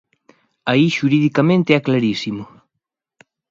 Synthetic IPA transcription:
aiʃuɾiðikamẽnt̪eɛklaɾisimʊ

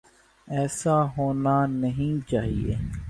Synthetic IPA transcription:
ɛːsaɦoːnanəɦĩt͡ʃaːɦḭḛː

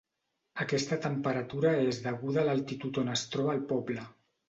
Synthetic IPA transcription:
əkɛst̪ət̪əmpəɾət̪uɾəezðəɣuðələlˠt̪it̪ut̪onəst̪ɾɔβəːlˠpɔblə

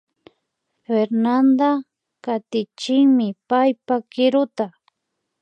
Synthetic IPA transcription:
feɾnand̪a | kat̪ɪt͡ʃɪŋmɪpajpakɪɾʊt̪a

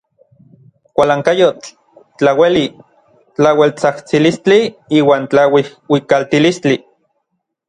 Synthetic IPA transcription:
kʷalaːŋkajot͡ɬ | t͡ɬaweli | t͡ɬawelt͡saht͡silist͡ɬiiːwaːnt͡ɬawihwikalt̪ilist͡ɬi

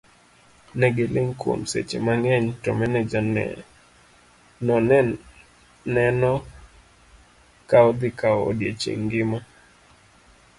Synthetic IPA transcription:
nɛɡɪlɪŋkwo̰msḛt͡ʃḛmaŋɛɲtɔ̰mɛnɛd͡ʒanɛ̰ | nɔn | nɛnɔ | kaɔd̪ɪkao̰djet͡ʃḛŋɡɪma

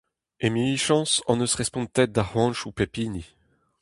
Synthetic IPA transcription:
emiliʃɑ̃sɑ̃nøsʁɛspɔ̃nt̪ɛt̪̚d̪ahwɑ̃nʃupepini

